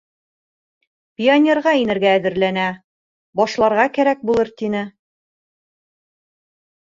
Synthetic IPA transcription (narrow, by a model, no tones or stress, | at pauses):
pʲionʲerʁɑinɘ̆ɾɡæːðɘ̆ɾlænæ | bɒʃlˠɑɾʁɑkæɾæk̚bulˠɤɾt̪inɘ